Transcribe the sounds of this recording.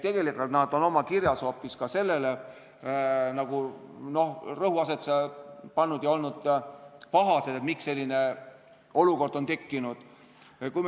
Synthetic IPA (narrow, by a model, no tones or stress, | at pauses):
t̪e̞ɡ̥e̞likːult̪nɑd̪̥o̞no̞mɑkiɾjɑso̞ːpːiskɑse̞lːe̞le̞ | nɑɡ̥u | no̞hrɤɦuɑse̞t̪spɑnːud̪̥jɑo̞lnud̪̥pɑɦɑse̞d̪̥e̞t̪miksːe̞lʲːine̞ | o̞luko̞rd̪̥o̞nt̪e̞kːinud̪̥ | kujm